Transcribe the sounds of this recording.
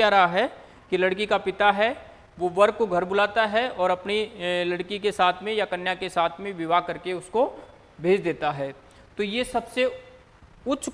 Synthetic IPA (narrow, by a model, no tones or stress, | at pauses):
aɾɐɦaɦɛ | kilɐɽkikapɪt̪aɦɛ | ʋoʋɐɾːoɡʱɐɾbʊlaːt̪aɦɛɔːɾɐpnilɐɽkikesaːt̪ʰmẽjakɐnjakesaːt̪ʰmẽʋɪʋakɐɾkeʊsko | bʱeːd͡ʒd̪eːt̪aɦɛː | t̪ojesɐbse | ʊtːt͡ʃʰ